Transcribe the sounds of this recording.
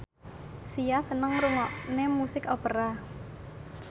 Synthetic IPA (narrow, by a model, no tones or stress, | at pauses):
sijasənəŋɾuŋɔʔnemusɪkɔpəɾa